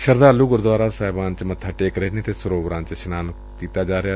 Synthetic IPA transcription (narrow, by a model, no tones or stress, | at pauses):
ʃəɾd̪aːlːuːɡʊɾd̪ʋaːɾaːsaːɪbaːnt͡ʃmət̪ʰːaːʈeːkɾeːneːt̪eːsʊɾoːbɾãːnt͡ʃʃɪnaːn | kiːt̪aːd͡ʒaːɾeaː